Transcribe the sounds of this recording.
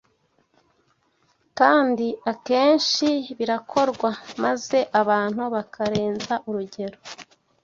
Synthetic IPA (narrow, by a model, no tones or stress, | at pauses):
kaːndiake̞ːnʃiβiɾakʰo̞ɾɡwamaze̞ʔaβaːn̥huβakʰaɾe̞ːnzaʔuɾuɟe̞ɾo